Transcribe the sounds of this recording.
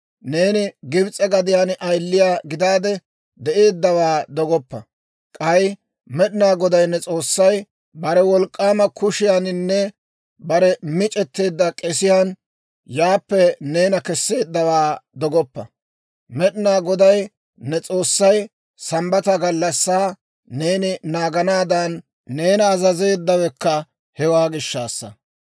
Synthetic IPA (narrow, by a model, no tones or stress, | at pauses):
ne̞ːnɪɡɪbt͡sʼɛɡɐd̪ɪjaːnʔɐjlːɪjaːɡɪd̪aːd̪ɛ | d̪ɛʔe̞ːd̪ːɐwaːd̪ɔɡɔpːɐ | kʼɐj | mɛɗɪnaːɡɔd̪ɐjnːɛt͡sʼo̞ːsːɐj | bɐɾɛwɔlkʼːaːmɐkʰʊʃɪjanɪnːɛ | bɐɾɛmɪt͡ʃʼɛt̪ːe̞ːd̪ːɐkʼɛsɪjaːn | jaːpːɛne̞ːnɐkɛsːe̞ːd̪ːɐwaːd̪ɔɡɔpːɐ | mɛɗɪnaːɡɔd̪ɐj | nɛt͡sʼo̞ːsːɐj | sɐmbɐt̪ɐɡɐlːɐsːaː | e̞ːnɪnaːɡɐnaːd̪ɐnː | e̞ːnɐːzɐze̞ːd̪ːɐwɛkːɐ | hɛwaːɡɪʃːaːsːɐ̰